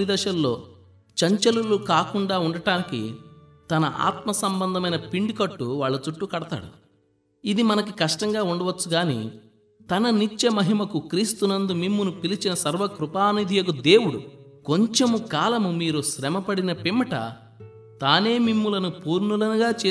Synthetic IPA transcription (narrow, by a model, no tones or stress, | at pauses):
id̪ɐʃɐllo̞ː | t͡ʃɐɲt͡ʃɐlulukaːkuɳɖaːuɳɖɐʈaːnikḭ | t̪ɐnɐʔa̰ːt̪mɐsɐmbɐnd̪ʱɐmɐjnɐpiɳɖikɐʈːuʋaːɭːut͡ʃuʈːukɐɽɐt̪a̰ːɽṵ | id̪imɐnɐkikɐʂʈɐŋɡaːuɳɖɐʋɐt͡ʃːuɡaːnḭ | t̪ɐnɐnit͡ʃːɐmɐɦimɐkukɾiːst̪unɐnd̪umimːunupilit͡ʃinɐsɐɾʋɐkɾupaːnid̪ʱijɐɡud̪e̞ːwuɽṵ | ko̞ɲt͡ʃemukaːlɐmumiːɾuʃɾɛmɐpɐɽinɐpimːɐʈɐ̰ | t̪aːne̞ːmimːulɐnupuːɾnulɐnuɡaːt͡ʃeː